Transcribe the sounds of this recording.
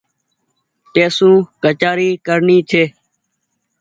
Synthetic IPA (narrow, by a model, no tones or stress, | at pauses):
t̪eːsũːkət͡ʃaːɾiːkəɾɳiːt͡ʃʰeː